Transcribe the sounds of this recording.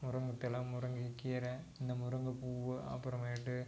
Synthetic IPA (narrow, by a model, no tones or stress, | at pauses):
mʊɾɐŋɡɐt̪ːɪlãːmʊɾɐŋɡikiɾɐɪnd̪ɐmʊɾɐŋɡɐpuːʋɯɐ̰pːɯɾɐmeʈːɯ